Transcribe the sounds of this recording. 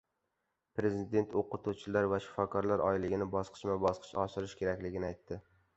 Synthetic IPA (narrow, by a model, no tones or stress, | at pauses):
pɾe̞zid̪e̞nt̪ʰoqʊt̪ʰut͡ʃʰɪlaɾvaʃɪ̥fɒkʰɒɾlaɾʔɒ̰ɪlɪɡʲɪnɪbɒsqʰɨ̥ʃmabɒsqʰɨ̥ʃɒʃɪɾɪʃkʲe̞ɾakʲlɪɡʲɪnɪajt̪ʰːɪ